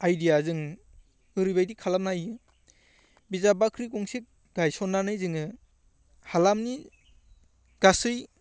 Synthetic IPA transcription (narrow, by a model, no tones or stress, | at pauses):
ajdijazɯŋ | ɯɾɯbajdikʰalam̚najɯ | bizabakʰɾikɔŋsek̚ | ɡ̥ajsɔnːanɯjzɯŋɯ | halamni | ɡ̥asɯj